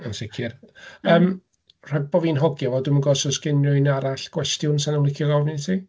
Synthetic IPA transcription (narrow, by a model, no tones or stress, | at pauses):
ənsɪkʰirəːm | r̥ɔjd̚boviːnɦɔɡjɔvɔduɪmənɡɔsɔsɡ̥ɪnʊjnaɾaɬɡ̥wɛstjʊnsanəwlˠɪkʰjɔɡɔvnitʰi